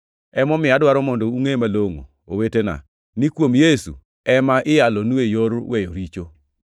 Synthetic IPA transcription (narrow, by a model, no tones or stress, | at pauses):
ɛmɔmɪadwaɾɔmɔndɔuŋemaloŋo̰ | owetena̰ | nikwomjesṵ | ɛmaʔɪjalɔnuejoɾwejoɾit͡ʃo